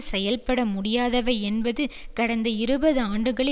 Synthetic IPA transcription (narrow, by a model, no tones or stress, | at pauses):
sɛjɐlpɐɽɐmʊɽɪjaːðɐʋɐɪɛnbɐðɯkɐɽɐnd̪ɐɪɾɯbɐðɯaːɳɖɯɣɐɭɪ